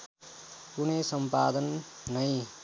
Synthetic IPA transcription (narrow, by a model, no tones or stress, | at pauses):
kunesʌmpad̪ʌnːʌj̃